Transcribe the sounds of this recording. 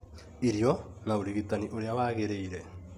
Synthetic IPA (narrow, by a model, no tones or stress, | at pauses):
iɾjɔ | naoɾiɣitaniʔoɾeawaɣeɾeiɾɛ